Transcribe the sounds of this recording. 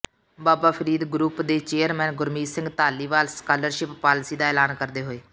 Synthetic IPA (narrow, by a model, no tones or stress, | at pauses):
baːbaːpʰəɾiːd̪ɡɾuːpd̪eːt͡ʃeːəɾmɛ̃ːnɡʊɾmiːsɪ̃ŋɡt̪aːliːʋaːlskaːləɾʃɪpːaːlsiːd̪aːɛːlaːnkəɾd̪eːɦoːeː